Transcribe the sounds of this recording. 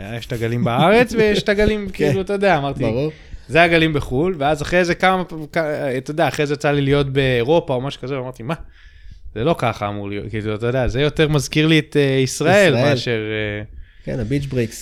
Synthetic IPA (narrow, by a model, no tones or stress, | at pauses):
jeʃtaɡalimbaaʁe̞t͡svejeʃtaɡalimkiluatojod̪eaːmaʁt̪iu | zeaɡalimbeχulveazaχʁezekamakat̪ojod̪eaːχʁezejat͡salilijo̞tbe̞ːʁo̞pao̞maʃu̥kaze̞veamaʁt̪ima | z̥elo̞kaχa̰ːmuʁlijo̰kiːluat̪ojd̪eazejo̞t̪e̞ʁmazkiʁliet̪eisʁae̞lmealʃe̞ʁekḛnabit͡ʃbʁiks